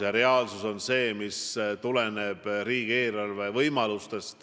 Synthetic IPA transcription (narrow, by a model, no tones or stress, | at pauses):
ɑɾe̞ɑːlsuso̞nse̞ːmist̪ule̞neb̥riːɡ̥ie̞ːlɑlve̞vɤjmɑlust̪e̞st̪